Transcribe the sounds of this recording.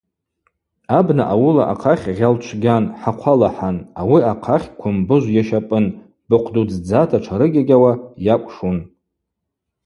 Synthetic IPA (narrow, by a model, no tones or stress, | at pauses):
abnaʔawʊla̰ʔa̰qʰaχʲʁʲalt͡ʃʷʰɡʲanħaqʷʰalaħanawiaqʰaχʲkʷʰʊmbɨʒʷjaʃapʼɨn | b̥ɨqʷʰdud͡zd͡zatʰaʈ͡ʂʰaɾɨɡʲaɡʲawajakʷʼʂun